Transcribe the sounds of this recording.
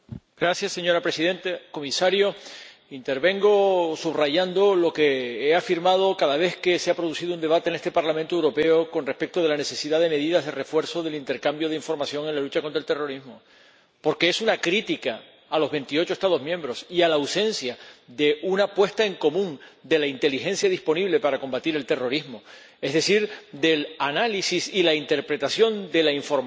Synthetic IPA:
ɡɾasjasːeɲo̞ɾapɾe̞siðẽ̞nt̪ako̞misaɾjo | int̪e̞ɾβẽ̞ŋɡo̞suβraʝand̪o̞lo̞ke̞eafiɾmað̞o̞kaðaβ̞e̞hke̞seapɾo̞ðusiðoune̞βat̪ene̞st̪e̞paɾlamẽnt̪oewɾo̞pe̞oko̞nrehpe̞k̚t̪o̞ð̞e̞lane̞se̞siðaðe̞me̞ðiðaɦðe̞re̞fwe̞ɾso̞ðe̞lint̪e̞ɾkambjo̞ð̞eiɱfo̞ɾmasjo̞ŋe̞nlalut͡ʃakont̪ɾaelt̪e̞ro̞ɾiɦmo | po̞ɾke̞esunakɾit̪ika | alo̞zβe̞nt̪io̞t͡ʃost̪að̞o̞ɦmjẽ̞mbɾo̞sialawsẽ̞nsjad̪e̞ʔunapwe̞st̪ae̞ŋko̞mũŋd̪e̞laint̪e̞lixẽ̞nsjaðispo̞niβle̞paɾako̞mbat̪iɾe̞lt̪e̞ro̞ɾizmo | e̞zðe̞siɾd̪e̞lanalisisilaint̪e̞ɾpɾe̞t̪asjo̞nd̪e̞laiɱfo̞ɾ

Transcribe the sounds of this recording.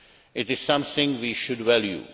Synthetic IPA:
ɪʈɪz̥sʌ̃mθɪ̃ŋʋiːʃʊɖʋɛljṵ

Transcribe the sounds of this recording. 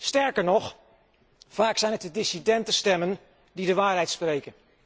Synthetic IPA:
stɛɹkəɹnɔχ | v̥aːksɛjnətədɪsidɛntəstɛmən | didəʋaːɹɦɛjtsprejkən

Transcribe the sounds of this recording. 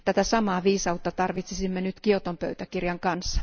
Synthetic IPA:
t̪æt̪æsɑmɑːʋiːsɑut̪ːɑt̪ɑrʋit̪sisimːenyt̪kio̞t̪ompø̰yt̪ækirjɑŋkɑnsːɑ̥

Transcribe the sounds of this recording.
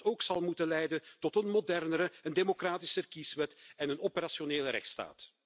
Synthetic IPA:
toːksɑlˠmutənlɛjdəntɔtənmodɛrnəɾəəndemokraːtɪsərkisʋɛtɛnənɔpəɾasjoneːləɾɛ̰xtsta̰ːt

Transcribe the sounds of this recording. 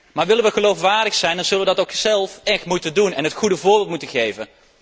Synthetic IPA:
maːɹʋɪləʋəχəlowfʋaːɹdəxsɛjndɑnz̥ɵləʋədɑtowkzɛlˠfɛxtmutəndunɛnɦətχudəvʊːɹbɪːlˠtmutəχejvən

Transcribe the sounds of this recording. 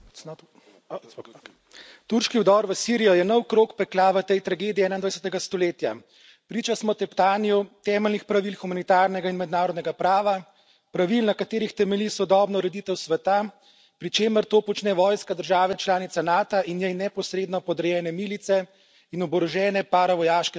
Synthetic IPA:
t̪uɾʃkiuwd̪ɔːɾʋəsiɾijɔjɛnɔwkɾoːkpɛklaʋət̪ɛjt̪ɾaɡeːd̪iɛɛːnaind̪ʋajsɛ̥t̪ɛɡast̪ɔleːt̪ja | pɾiːt͡ʃasmɔt̪ɛpt̪aːnijut̪ɛːmɛlnixpɾaʋilxumanit̪aːɾnɛɡainmɛd̪naːɾɔd̪nɛɡapɾaːʋa | pɾaʋilnakat̪eːɾixt̪ɛmɛlisɔd̪ɔːbnɔɾɛd̪it̪ɛwsʋɛt̪a | pɾit͡ʃeːməɾt̪oːpɔt͡ʃnɛʋɔːjskad̪əɾʒaːʋɛt͡ʃlaːnit̪sanaːt̪aʔinjɛjnɛpɔsɾeːd̪nɔpɔd̪ɾɛjɛːnɛmiːlit̪sɛ | inɔbɔɾɔʒɛːnɛpaːɾaʋɔjaːʃkɛ

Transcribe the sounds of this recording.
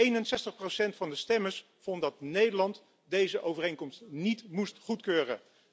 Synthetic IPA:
ejnənsɛstəχprosɛntfɑndəstɛməɹs | fɔntdɑt̚nejdəɹlɑnt | dejzəʔowvərejnkɔmstnitmustχutkøːrə

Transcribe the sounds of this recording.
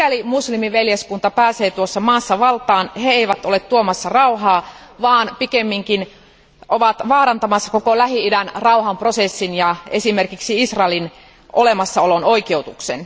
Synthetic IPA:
ælimuslimiʋeljeskunt̪ɑpæːseːt̪uosːɑmɑːsːɑʋɑlt̪ɑːnheeiʋæt̪olet̪t̪uomɑsːɑrɑuɦɑːʋɑːnpikemːiŋkin | ʔoʋɑt̪ʋɑːɾɑnt̪ɑmɑsːɑ̥kokolæɦiidænrɑuɦɑmprosesːinjɑesimerkiksiisrɑelin | ʔolemɑsːɑolonoikeut̪uksḛn

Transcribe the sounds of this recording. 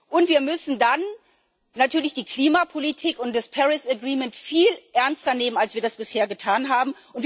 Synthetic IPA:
ʔʊntv̥iːɐmʏsn̩dan | natʰyːɐlɪçd̥iːkl̥iːmapʰolitʰiːkʊntd̥aspʰɛʁɪsəɡʁiːmɛntfiːlʔɛɐnstɐneːmənalsv̥iːɐdasb̥ɪsheːɐɡətʰaːnɦaːbm̩ | ʊntv

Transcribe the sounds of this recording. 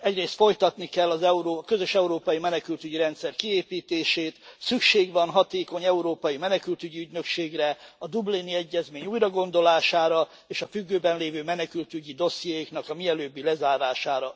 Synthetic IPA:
ɛɟreːst̪fo̞jt̪ɒt̪nikɛlːɒzɛuɾoːkø̞zø̞ʃɛuɾoːpɒjimɛnɛkylt̪yɟiɾɛnt̪sɛrkieːpiːt̪eːʃeːt̪sykʃeːɡʋɒnɦɒt̪eːko̞ɲɛuɾoːpɒjimɛnɛkylt̪yɟiyɟnø̞kʃeːɡrɛɒd̪ubliniɛɟːɛzmeːɲuːjrɒɡo̞nd̪o̞laːʃaːɾɒ | eːʃɒfyɡːøːbɛnleːvøːmɛnɛkylt̪yɟid̪o̞sijeknɒkɒmiɛløːbːilɛzaːɾaːʃaːɾɒ

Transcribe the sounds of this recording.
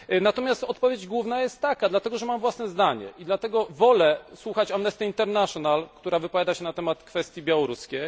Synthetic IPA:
nat̪ɔmʲjast̪ɔt̪̚pɔvʲjed͡ʑɡwuvnajɛst̪ːakad̪lat̪ɛɡɔʐɛmamvwasnɛzd̪aɲɛ̰id̪lat̪ɛɡɔvɔlɛswuxat͡ɕamnɛst̪ɛint̪ɛɾnaʂɔnalkt̪uɾavɘpɔvjad̪aɕɛnat̪ɛmat̪kfɛst̪ʲjibʲjawɔɾuskʲej

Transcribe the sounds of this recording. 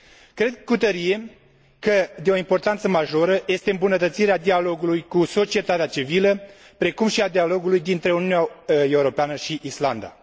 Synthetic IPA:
kɾe̞d̪̚kut̪əɾije̞ | kəd̪eo̞impo̞rt̪ant̪səmaʒo̞ɾəje̞st̪e̞ɨmbunət̪ət̪siɾead̪ialo̞ɡulujkuso̞t͡ʃie̞t̪at̪eat͡ʃivilə | pɾe̞kumʃiad̪ialo̞ɡulujd̪int̪ɾe̞uniuunae̞uɾo̞peanəʃiʔisland̪a̰

